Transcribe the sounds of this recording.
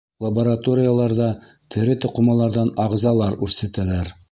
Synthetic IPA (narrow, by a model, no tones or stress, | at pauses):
lˠɐboɾat̪oɾʲɪjalˠɑɾðɑ | t̪ʰɘ̆ɾɘt̪ŏqŏmɑlˠɑɾðɑnɑʁzɑlˠɑɾʉɾsæt̪ælæɾ